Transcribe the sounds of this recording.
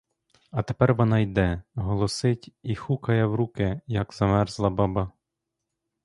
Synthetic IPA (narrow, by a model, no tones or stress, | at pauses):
ɐt̪epɛrʋɔnɑjd̪ɛɦɔlˠɔsɪtʲixukɐjɛwɾukɪjɐɡz̥ɐmɛrzlˠɐbɑbɑ